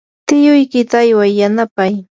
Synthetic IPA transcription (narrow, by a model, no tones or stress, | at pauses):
t̪ɪjʊjkɪt̪aːjwajjanapaj